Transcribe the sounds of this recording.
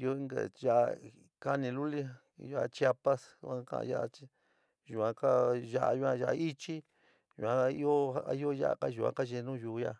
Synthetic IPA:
i˧o˦i˦ŋɡa̰˨ʒa˦ʔ | ka˦nĩ˧lu˦li˦˧ | ʒa˧a˧t͡ʃja˦pa˦sã˧˦kã̰˧ʔã̰˧ja˦a˧t͡ʃi˦˧ | ʒu˨ã˧ka˦ʒa˦ʔa˧ju˧ã˧ʒa˧i˦t͡ʃi˦ | ʒṵ˨ã˧i˦o˦a˦ʔi˦o˦ja̰˦ʔa̰˧ka˦ʒu˨ã̰˧ka˦ʒe˧nũ˦ʒu˨˦ja˧

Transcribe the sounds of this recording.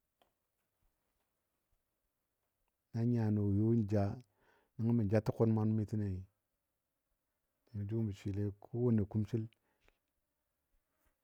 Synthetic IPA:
na˦ɲa˨no˨jo˦n˨d͡ʒa˦ | ni˦ŋa˦mi˨d͡ʒa˦tu˦ko˦nma˦n˦mi˦ti˦ne˨i˨ | ni˨mi˨˦d͡ʒu˦m˦bi˨t͡ʃi˨le˦kʰo˦wo˦ne˨ku˦mt͡ʃi˦l

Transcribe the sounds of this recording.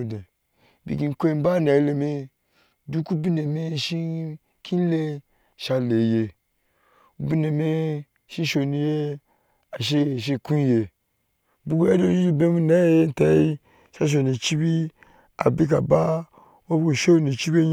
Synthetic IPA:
de˨ | bḭ˨ɡi˨ko˦i˦m˦ba˦na˨i˦le˨me˦ | du˦ku˦bi˦ne˨me˦ʃi˦ | kʰi˦n˦le˦˨ | ʃa˦le˨je˨ | u˦bi˦ne˨me˦ | ʃi˦ʃo˨ni˨je˦ | a˨ʃ̬e˦˨ʃ̬e˦ku˦je˨ | bu˦ɡo˦ja˦do˨ji˦i˦be˦mu˦na˦je˦je˦ta˨˦i˦ | ʃa˦ʃ̬o˨ni˨t͡ʃi˦bi˦ | a̰˨bi˦k̬a˨ba˦ | wo˦bɡo˨ʃe˦wni˨t͡ʃi˦be˦

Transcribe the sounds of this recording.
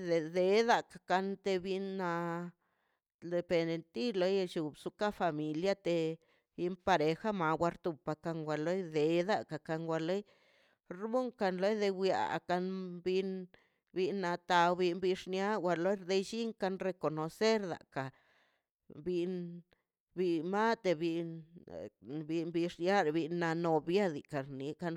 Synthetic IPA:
d̪e˨d̪e˧d̪a˧kḁ˨ka˧nt̪e˧bi˧nːa˧ | ld̪e˧pe˨ne˧nt̪i˦lo˧˦je˧t͡ʃu˨bsu˧ka˦fa˨mi˨lja˦t̪e˧ | bi˧npa˧ɾe˨xa˦ma˨ɡʷwa˧ɾt̪u˨pa˧ka˧ŋɡʷa˧lo˦jd̪e˨d̪a˧ka˨ka˧ŋɡʷa˧lo˦j | ɾbu˦ŋka˧nlo˦jd̪e˧wja̰˨ka˧nbi˧n | bi˧nːa˧t̪a˧wbi˧nbi˧ʂnja˦wʷa˧lo˦ɾd̪e˧jʃi˦ŋka˧nɾe˧ko˨no˨se˦ɾd̪a̰˨ka˨ | bi˧n | bi˧ma˦t̪e˧bi˧ | bi˧nbi˧ʂnja˦ɾbi˧nːa˧no˨bja˦d̪i˨ka˨ni˨ka˧n

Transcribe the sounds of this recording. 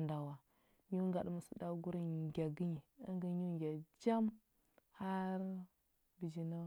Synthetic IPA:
nda˨wa˨ | ɲu˦ŋɡa˨ɗma˨su˨da˦ɡu˦ɾi˦˨ɡʲa˨ɡi˦ɲi˨a˦ŋɡə˨˦ɲu˦˨ɡʲa˨d͡ʒa˦m | ha˦ɾ | bi˨d͡ʒi˨na˦

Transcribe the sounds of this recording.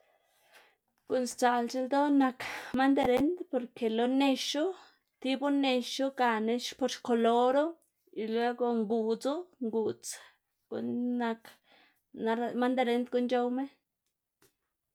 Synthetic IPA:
ɡ̥u˧˨nst͡sa˨lt͡ʃe˧ld̪o˦na˧kma˦nd̪a˧ɾe˦nd̪po˧˨ɾke˨lo˧ne˧ʃu˦ | t̪i˦bu˦ne˧ʃu˦ɡa˨ne˧ʃpo˧ɾʃko˧lo˧ɾo˦ | i˨lwe˦ɡo˧ŋɡu˧˨t͡su˦ŋɡu˨t͡s | ɡ̥ṵ˧nːa˧k | na˧ɾma˦nd̪a˧ɾe˧˦nd̪ɡu˧nt͡ʃo˧wme˦

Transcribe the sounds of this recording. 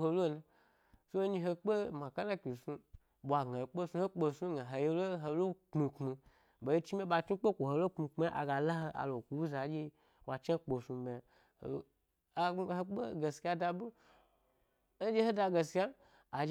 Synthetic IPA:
o˧lo˦na˧ | so˦ɲĩ˧ɦe˧k͡pe˦mã˨ka˦na˦kʲi˨su˧ | ɓʷa˨ɡa˨k͡po˦su˧ho˦k͡po˧su˦ɡa˨ɦo˨je˧lo˦ɦo˧lo˦k͡pmi˧k͡pmi˧ | be˨ji˦t͡ʃi˦m˦e˦ɓa˧t͡ʃu˦k͡pe˦kʷo˨ho˨lo˦k͡pmi˧k͡pi˧˦a˦ʔa̰˨ɡa˧la˦ho˧ʔa̰˨lo˨kʷu˨u˦za˨d͡ʒe˦ | wa˨t͡ʃa˦k͡po˨su˧me˨ | h | he˦k͡pe˦ɡe˨sa˧da˧bu˦ | d͡ʒe˦ho˦da˧ɡe˨sa˦ | a˨d͡ʒ

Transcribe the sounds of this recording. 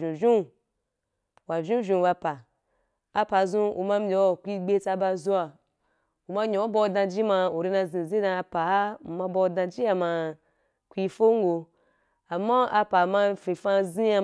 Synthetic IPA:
ʒũ˨ʒũ˦ | wa˨ʒũ˦ʒʲũ˧ba˧pa˨ | a˧pa˨zũ˦ṵ˨ma˧mʲ˦e˨wo˨kʷi˦ɡ͡be˦t͡sa˧ba˧zu˧a˨ | u˨ma˧˦ɲõ˨˦bo˧˨dã˧d͡ʒi˦ma˧o˨ɾi˦˧nã˧zĩ˨zi˦dã˧a˧pa˨˦˨ma˧bo˧dã˧d͡ʒi˦a˧ma˧ | kʷi˧fo˦ŋ˦ɡo˧ | a˨mːa˦a˧pa˨ma˧fĩ˨fa˧zĩ˦a˧

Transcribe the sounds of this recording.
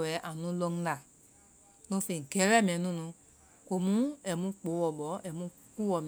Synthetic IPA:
wɛ˨˦ʔa˨nũ˨˦lo˧ŋ̩˦la˨ | no˧˦fi˨ŋ̩˨kɛ˨˦ɾɛ˦˨mɛ̃˨nũ˦nũ˧ | ko˨mũ˦ɛ˨mũ˧˦k͡po˨˦wɔ˨bɔ˨˦ɛ˨mũ˧˦ | k͡pu˦wɔ˨m˨

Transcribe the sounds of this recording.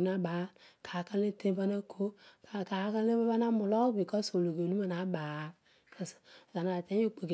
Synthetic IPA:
na˨˦baː˨˦kʰa˨ka˦le˦tẽ˦ba˦na˦kʰo˦ka˨ka˨˦ka˦le˦ba˦ba˦na˦mʊ˨lɔ˦bi˨kɔ˦so˨lo˨ɡe˨nu˦a˦˨na˨˦baː˨˦ | ka˨sza˨na˨tɛ˦i˦k͡pe˨k

